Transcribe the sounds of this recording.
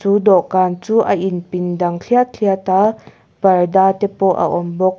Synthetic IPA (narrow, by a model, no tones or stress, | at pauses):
t͡suːdɔʔkaːnt͡suːʔɐʔinpindɐŋɬʰiatɬʰiat̪aː | b̥ɐrdaːt̪ɛpɔʔa̰ʔɔmbɔk̚